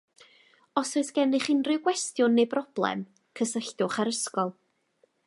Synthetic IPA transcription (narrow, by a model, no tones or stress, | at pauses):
ɔsoɨθɡ̥ɛnɪχɪnrɪwɡwɛstjʊnːejbrɔb̥lˠɛ̰m | kʰəsəɬdʊχaɾəskɔlˠ